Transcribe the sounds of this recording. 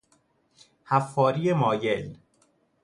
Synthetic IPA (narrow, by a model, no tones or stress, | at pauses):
hæfːɒːɾijemɒːjel